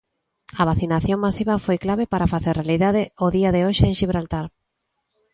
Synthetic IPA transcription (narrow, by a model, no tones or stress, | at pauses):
ɐβ̞aθinaθjoŋmasiβɐfojklaβepaɾafaθeɾrealiðaðɪoðiaðɪoʃeeŋʃiβɾalt̪aɾ